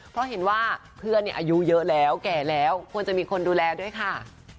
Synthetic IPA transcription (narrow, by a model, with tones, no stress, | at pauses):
pʰɾɔ˦˥ɦe˩˦nwaː˥˩pʰɯ˥˩ənːi˥˩ɐʔaː˧ju˦˥jɤ˦˥ʔlɛː˦˥wkɛː˨˩lɛː˦˥wkʰu˧ənt͡ɕa˨˩miː˧kʰo˧nduː˧lɛː˧du˥˩əjkʰa˥˩